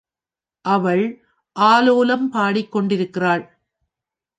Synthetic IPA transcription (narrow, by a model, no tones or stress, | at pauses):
ʔɐʋɐɭ | ʔaːloːlɐmpaːɽɪkːɔɳɖɪɾɯkːɪraːɭ